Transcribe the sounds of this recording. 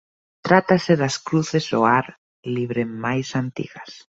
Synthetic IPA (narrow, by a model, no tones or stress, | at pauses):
t̪ɾat̪asɪðaskɾuθezo̰aɾ | liβɾemajsant̪ḭɣɐs